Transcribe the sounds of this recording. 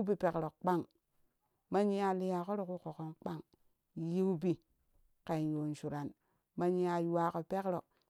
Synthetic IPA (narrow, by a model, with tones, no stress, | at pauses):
bi˨pe˨kɾo˨kk͡pa˦ŋ | ma˦ɲi˦a˨li˨˦ja˨ko˦ɾo˦ku˦ko˨ko˦nk͡pa˦ŋ | ji˦u˦bi˨ | ka˨n˨jo˨n˨ʃu˨ɾa˨n | ma˦ɲi˦a˨jwa˦ko˨pe˦kɾo˨